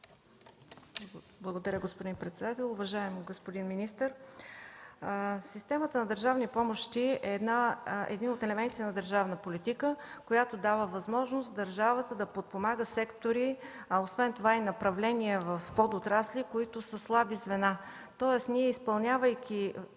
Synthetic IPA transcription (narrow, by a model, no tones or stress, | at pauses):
blˠɐɡod̪ɐɾʲəɡospod̪inpɾɛt̪sɛd̪at̪ɛlˠʊvɐʒaɛmɡospod̪inminist̪əɾ | sist̪ɛmət̪ənɐd̪əɾʒavnipɔmoʃt̪iɛːd̪naɛ̰d̪inot̪ɛlɛmɛnt̪i̥t̪ɛnɐd̪əɾʒavnəpolit̪ikəkojat̪od̪avəvɐzmɔʒnost̪d̪əɾʒavət̪əd̪ɐpot̪̚pomaɡəsɛkt̪oɾiosvɛnt̪ovainɐpɾɐvlɛniɛvɐfpɔd̪ot̪ɾaslikoit̪ʊsəslˠabizvɛna | t̪ɔɛsniɛispɐlˠnʲavəjk̟ʲʰi